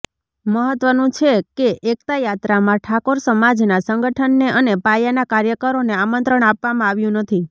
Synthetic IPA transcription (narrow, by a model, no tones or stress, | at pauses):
məɦət̪ʋənũt͡ʃʰekeʔek̚t̪ajat̪ɾamãʈʰakoɾsəmad͡ʒnasəŋɡəʈʰənːeʔənepajanakaɾjəkəɾoneamənt̪ɾəɳapʋamãaʋjũnət̪ʰi